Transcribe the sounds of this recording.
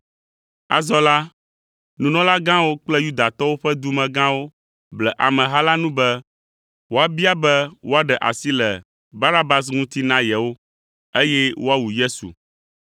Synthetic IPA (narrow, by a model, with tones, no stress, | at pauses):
a̰˨zɔ˦la˦ | nũ˨nɔ̃˦la˦ɡã˦wo˦k͡plɛ˦ju˦d̪a˨t̪ɔ˦wo˦ɸɛ˦d̪u˦mɛ̃˨ɡã˦wo˦ | blɛ˨ʔa˨mɛ̃˨ɦa˦la˦nũ˦bɛ˦ | wo˦a˨bi˦a˦bɛ˦wo˦a˦ɖɛ˨ʔa̰˨si˦lɛ˨ | ba˦na˦ba˦s̬ŋũ˦t̪i˦nã˦jɛ˨wo˦ | e˦jɛ˦wo˦a˦wu˨je˦sṵ˨